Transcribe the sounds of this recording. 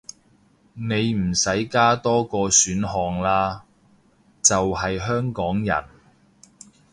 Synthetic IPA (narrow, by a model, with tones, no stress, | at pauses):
ne˨˧jm̩˨˩sɐ˨˥jkaː˥t̪ɔː˥kɔː˧syː˨˥nɦɔː˨ŋlaː˧˥ | t͡sɐ˨wɦɐ˨jɦœː˥ŋkɔː˨˥ŋjɐ̰˨˩n